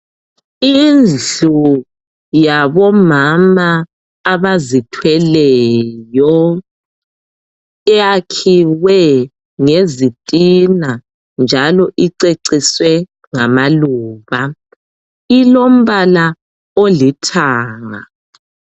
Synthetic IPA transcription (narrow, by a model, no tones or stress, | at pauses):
ind͡ɮu | jaβɔmamaː | βazitʰwɛlɛjɔ | ɛjakʰiwɛ | ŋezitʼina | nd͡ʒʱalɔʔiǀeǀiswɛ | ŋamaluːβa | ilom̩βala | olitʰaːŋa̰